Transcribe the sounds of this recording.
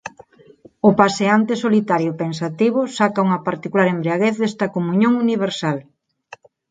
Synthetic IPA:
ʊpaseant̪esolit̪aɾjopensat̪iβ̞ʊsakɐuŋɐpaɾt̪ikulaɾembɾiaɣeθðest̪ɐkomuɲoŋuniβeɾsal

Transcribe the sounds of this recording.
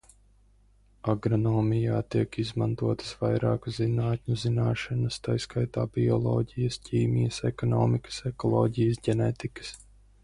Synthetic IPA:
aɡɾɔnɔːmijaːt̪iɛkizmant̪uɔt̪ə̥svajɾaːkuzinaːt̪ʲɲuzinaːʃanɐst̪ajskajt̪aːbiɔlˠɔ̰ːɟijəsciːmijəsɛkɔnɔːmikə̥sɛkɔlˠɔːɟijəsɟʲɛnɛt̪ikə̥s

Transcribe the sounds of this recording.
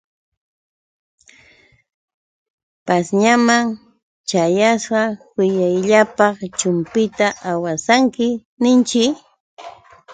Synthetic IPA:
pasɲamaŋ | t͡ʃajasɢɑwɪjajʎapɑχt͡ʃʊmpɪt̪aʔawasaŋkɪ | nɪnt͡ʃɪk

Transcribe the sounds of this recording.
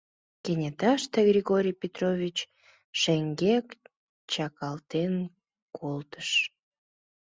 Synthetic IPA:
kenʲet̪ɑʃt̪eɣrʲiɣoɾʲijpʲet̪rovʲit͡ɕ | ʃeŋɡek | t͡ɕɑkɑlt̪en | kʰolt̪ə̥ʃ

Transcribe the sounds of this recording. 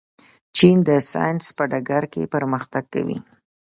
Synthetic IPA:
t͡ʃind̪əsɑ̰jnspəɖaɡaɾkepəɾməxt̪aɡ̚ka̰wḭ

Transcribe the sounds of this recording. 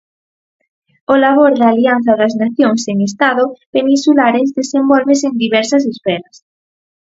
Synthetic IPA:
olaβ̞oɾðaːlian̟θɐðɐznaθjoŋseŋest̪aðopenĩnsulaɾezðesembɔlβeseŋd̪iβɛɾsɐs̬esfɛɾɐs

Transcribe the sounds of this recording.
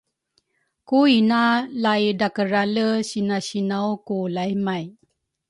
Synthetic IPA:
kuinalajdakəɾaləɕinaɕinawkulajmaj

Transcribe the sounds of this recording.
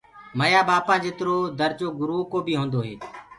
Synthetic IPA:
məjaːbaːpãːd͡ʒeːt̪ɾoːd̪əɾd͡ʒoːɡʊɾuːkoːbʱiːɦõːnd̪oːɦeː

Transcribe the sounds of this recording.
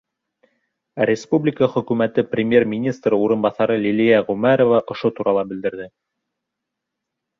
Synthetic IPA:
rʲɪspublʲɪkəχɵ̆kʉmæt̪ɘprʲɪmʲje̞rmʲinʲist̪rɤuɾɤ̆nbɑθɑɾɤlʲilijæʁɵmæɾovɑʔŏʃot̪uɾɑlˠɑbɘ̆ld̪ɘ̆ɾðɘ

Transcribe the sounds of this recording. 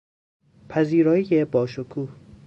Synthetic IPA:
pʰæziːɾɒːjijebɒːʃokʰuːh

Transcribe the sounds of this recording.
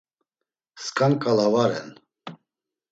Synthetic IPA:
skʼankʼalavaɾɛ̰n

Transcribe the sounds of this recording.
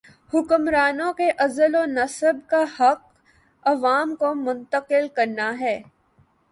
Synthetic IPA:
hʊkʊmɾaːnõkeʔɐzəlonɐsəbkahɐq̚ | ɐʋaːmkomʊ̃nt̪əqɪlkɐɾnaɦɛː

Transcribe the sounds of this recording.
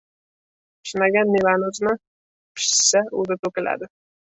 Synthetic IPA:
pʰʃɪnaɡʲanːevanʊzɪna | pʰɪ̥ʃsaṵzɪt̪ɵkʲɪla̰d̪ɪ

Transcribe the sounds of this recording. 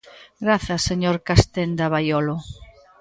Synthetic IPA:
ɡɾaθɐseɲoɾkast̪end̪aβajɔlo

